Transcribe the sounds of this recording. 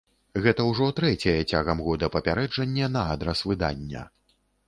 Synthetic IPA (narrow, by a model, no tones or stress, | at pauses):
ɣɛt̪ɐwʐɔt̪ɾɛt͡sʲɐjɛt͡sʲaɣɐmɣɔd̪ɐpɐpʲaɾɛd͡ʐɐnʲːɛnɐad̪ɾɐsvɨd̪a̰nʲːɐ̰